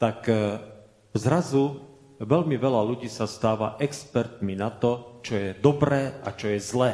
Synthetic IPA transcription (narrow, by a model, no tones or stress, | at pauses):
t̪ak | zɾazu | ʋɛlmiʋɛlaluɟiːsast̪aːʋaʔɛkspɛɾt̪minat̪ɔt͡ʃɔjɛd̪ɔbɾɛːat͡ʃɔjɛzlɛː